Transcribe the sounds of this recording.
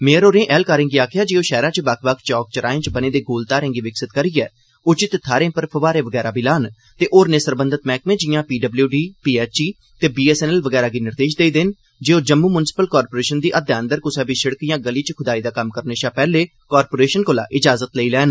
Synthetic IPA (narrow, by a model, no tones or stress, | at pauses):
mẽːɾoːɾẽːʔɛːlkaːɾɪ̃ːŋɡiːaːkʰɪjaːd͡ʒeːõːʃɛːɾãːt͡ʃəbakʰʋaːkʰt͡ʃɔːk̚t͡ʃəɾaːẽːt͡ʃbəneːd̪eːɡoːlt̪aːɾẽːŋɡiːʋɪksɪt̪kəɾiːɛː | ʊt͡ʃɪt̪t̪ʰːaːɾẽːpəɾpʰəʋaːɾẽːʋəɡɛːɾaːbiːlaːn | t̪eːʔoːɾnẽːsəɾbənd̪ət̪mɛ̃ːkmẽːd͡ʒɪjãːpiːɖəbljuːɖiːpiːɛːt͡ʃiː | t̪eːbiːɛːsɛːnɛːlʋəɡɛːɾaːɡiːnɪɾd̪eːʃd̪eːd̪ɪn | d͡ʒeːoːd͡ʒəmːuːmʊnɪsɪ̥pəlkɔːɾpoːɾeːʃənd̪iːʔəd̪jaːənd̪əɾkʊsɛːbiːsəɽkijãːɡəliːt͡ʃkʰʊd̪aːiːd̪aːkəmkəɾneːʃaːpɛːleː | kɔːɾpoːɾeːʃənkoːla̰ːʔɪd͡ʒaːzət̪ləiːlɛːn